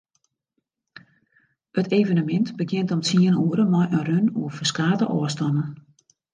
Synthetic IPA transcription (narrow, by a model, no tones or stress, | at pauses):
əteːvənəmɪntbəkjɪntɔmt͡siənuəɾəmɔjʔənrønoəfəskaːtəʔɔːstɔnən